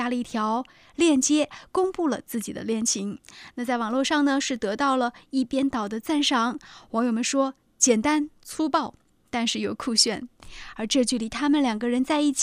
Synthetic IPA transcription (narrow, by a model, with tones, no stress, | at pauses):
ja˥lə˧i˥˩t̪ʰjɑ˧˥ʊ | ljɛ˥˩nt͡ɕjɛ˥kʊ˥ŋpu˥˩lə̰˩t͡sɹ̩˥˩t͡ɕi˨˩d̪ə̰˦ljɛ˥˩nt͡ɕʰi˧˥ŋna˥˧t͡sa˥˩ɪwɑ˨˩ŋlwɔ˥˧ʂɑ˥˩ŋnə˩ʂɻ̩˥˩t̪ɤ˧˥t̪ɑ˥˩ʊlə˩i˥˩pjɛ˥nt̪ɑ˨˩ʊd̪ə˦t͡sa˥˩nʂɑ˧˥ŋwɔ˧˥ŋjo˨˩ʊmə˧˦nʂwɔ˥ | t͡ɕjɛ˨˩nt̪a˥nt͡sʰu˥pɑ˥˩ʊ | t̪a˥˧nʂɻ̩˥˩jo˨˩ʊkʰu˥˧ɕɥɛ˥˩nə˞˧˥ʈ͡ʂɤ˥˧t͡ɕy˥˩li˨˩t̪ʰa˥mə˨nljɑ˨˩ŋɡə˦ɻə˧˥nt͡sa˥˧ɪi˥˩t͡ɕʰ